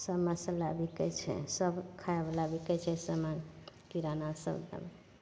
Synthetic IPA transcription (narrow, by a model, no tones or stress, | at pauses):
səmãsəlabikət͡ʃʰɛ̰səbkʰaeblabikɛt͡ʃʰɛsəmãkiɾanasə̰bd̪ə̰m